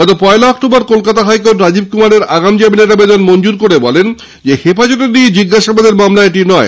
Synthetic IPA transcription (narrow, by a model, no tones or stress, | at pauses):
ɡɔt̪opɔelaɔk̚ʈobaɾkolkat̪aɦajkoʈɾad͡ʑib̚kumaɾeɾaɡamd͡ʑamineɾabed̪onmond͡ʑuɾkoɾebɔlen | d͡ʑehepad͡ʑɔt̪enied͡ʑiɡːaʃabad̪eɾmamlaeʈinɔe